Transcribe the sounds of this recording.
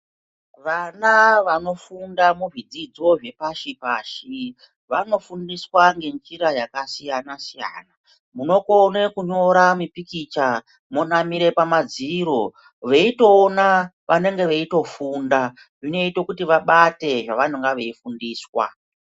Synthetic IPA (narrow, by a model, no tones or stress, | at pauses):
ʋanaʋano̞fundamuvid͡zid͡zo̞ʐe̞paʃipaːʃi | ʋano̞fundiswaŋɡe̞nd͡ʒiɾajakasijanasija̰ːna | muno̞konekuɲo̞ɾamipikit͡ʃa | monamiɾe̞pamad͡ziɾo̞ | ʋe̞ito̞ːnaʋʔane̞ŋɡeʋeito̞funda | ʐino̞ito̞kutiʋaɓate̞ʐaʋan̤uŋɡaʋe̞ifundiːswa̰